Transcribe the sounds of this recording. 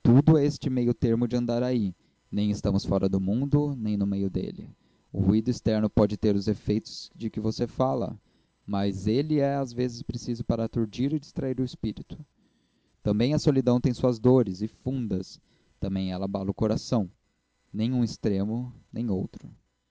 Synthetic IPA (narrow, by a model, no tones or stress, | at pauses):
t̪ud̪ʊɛest͡ʃɪmejʊt̪eɾmʊd͡ʒɪɐ̃nd̪aɾai | nẽj̃ɪst̪ɐ̃mʊsfɔɾʔɐd̪ʊmũnd̪ʊnẽj̃nʊmejʊd̪ḛlɪ̰ | ʊ̰huid̪ʊist̪ɛɾnʊpɔd͡ʒɪt̪eɾʊzefejt̪ʊ̥z̥d͡ʒɪkɪvosefalɐ̰ | mɐzelɪɛazvezɪspɾesizʊpaɾɐt̪uɾd͡ʒiɾɪd͡ʒist̪ɾaiɾʊɪspiɾit̪ʊ̥ | t̪ɐ̃mbẽj̃ɐsolid̪ɐ̃w̃t̪ẽj̃suɐzd̪oɾɪzɪfũnd̪ɐs | t̪ɐ̃mbẽj̃ɛlɐbalʊkoɾasɐ̃w̃ | nẽj̃ũɪst̪ɾẽmʊnẽj̃owt̪ɾʊ